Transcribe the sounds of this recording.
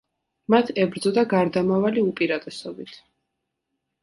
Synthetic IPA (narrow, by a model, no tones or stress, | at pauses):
mat̪ʰɛbɾd̪zɔd̪aɡaɾd̪amavaliupʼiɾat̪ʼɛsɔbit̪ʰ